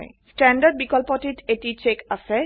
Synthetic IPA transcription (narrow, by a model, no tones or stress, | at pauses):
jsʈɛɳɖaɾɖ̚bikɔlpɔʈiʈeʈit͡ɕekasʰe